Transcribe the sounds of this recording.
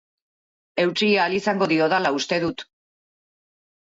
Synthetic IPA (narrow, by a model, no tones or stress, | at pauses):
e̞wt͡siaːlisaŋɡo̞ðio̞ðalaust̪e̞ðut̪